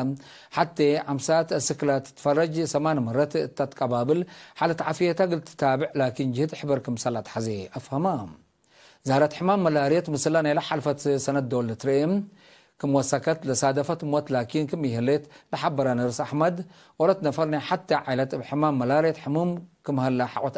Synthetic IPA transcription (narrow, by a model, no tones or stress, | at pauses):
m | ħat̪ʰːeʕamsat̪ɐsɨkɨlat̪ːɨ̥t̪ːɨ̥fɐrɐd͡ʒsɐmanmɐɾɐt̪ʰɨt̪ʰːat̪kʼɐbabɨlħalɐt̪ʰaʕafijet̪ʰaɡɨlt̪ʰɨ̥t̪ʰabɨʕlakʰind͡ʒɪhɨt̪ħɨbɐɾkɨmsɐlat̪ħazeʔɐfhɐma | zahlɐt̪ħɨmamːɐlaɾjet̪mɨsɐlanajlaħalfɐt̪sɐnɐt̪̚d̪olɨt̪ɨɾɐʔim | kʰɨmwɔsakʰɐt̪lɐsad̪ɐfɐt̪mot̪lakʰinkʰɨmjɪhɨlet̪lɐħabɐɾanɐɾsaħmɐd̪ | ʔɔɾɐt̪nɐfɐɾnajħat̪ʰːɐʕajlɐt̪bħɨmamːɐlaɾjet̪ħɨmumkʰɨmhɐlːaħa̰ʔʼot̪